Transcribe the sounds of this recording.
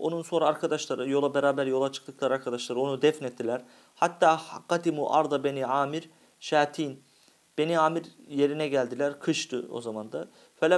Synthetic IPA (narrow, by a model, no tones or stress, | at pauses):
o̞̰nunso̞nɾaːɾkʰad̪aʃlˠaɾɯjo̞lˠabeɾaːbæɾjo̞lˠat͡ʃʰɯ̥k̚lˠɯklˠaɾaɾkʰad̪aʃlˠaɾɯo̞nud̪ɛfnɛt̪ʰːilʲæɾ̥ | hat̪ːaːqɑd̪imuːʔa̰ɾd̪ɑbeniaːmiɾ | ʃaːt̪ʰiːn | b̥e̞niaːmiɾje̞ɾinɛɟælʲd̪ilʲæɾkʰɯʃt̪ʰɯo̞̰zamand̪a | fɛlʲɛ